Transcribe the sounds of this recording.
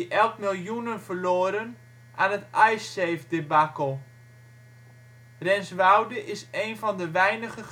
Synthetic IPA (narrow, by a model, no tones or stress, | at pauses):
ʔɛlˠkmɪlˠjunənvərloːɾən | ʔaːnətɛjseːfdɪbakəlˠ | rɛnsʋawdəʔɪsejnvɔndəʋɛjnəχə